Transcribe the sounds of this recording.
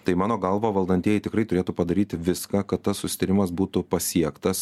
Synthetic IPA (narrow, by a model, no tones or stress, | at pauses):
t̪ɐɪmɑːnoːɡɐlˠʋoːʋɐlˠd̪ɐnʲt̪ʲiɛjɛɪt̪ʲɪkɾrɐɪt̪ʊɾʲeːt̪uːpɐd̪ɐɾʲiːt̪ʲʋʲɪskaːkɐt̪t̪ːɐssʊsʲɪ̥t̪ɐɾʲɪmɐsbuːt̪ʊpɐsʲiɛkt̪ɐs